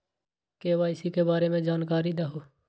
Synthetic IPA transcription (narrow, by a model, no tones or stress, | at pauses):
keːʋaːɪsikebaːɾemẽd͡ʒaːnkaːɾid̪əɦo